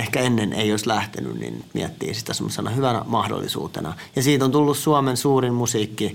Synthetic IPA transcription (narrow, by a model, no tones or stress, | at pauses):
ehkæenːenʔḛioislæht̪eny̰nnḭnnyt̪mḭæt̪ːḭːsi̥t̪æsemːosenɑhyʋænæ̰mɑhdo̰lːḭsṵːt̪ḛnɑjɑsiːt̪ont̪ulːussuɑmensuːrimmusiːkːi